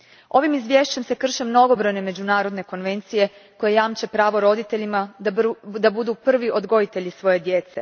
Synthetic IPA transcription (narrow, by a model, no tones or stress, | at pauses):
o̞ʋimizʋʲje̞ːʃt͡ɕe̞mse̞kr̩ʃemno̞ɡo̞bɾojne̞me̞d͡ʑunaːɾo̞d̪ne̞ko̞nʋe̞nt̪sije̞ | ko̞jejaːmt͡ɕe̞pɾaːʋoɾo̞d̪it̪e̞ʎima | d̪abud̪upr̩ʋiʔo̞d̪ɡo̞jit̪e̞ʎisʋo̞je̞d̪je̞t̪se̞̰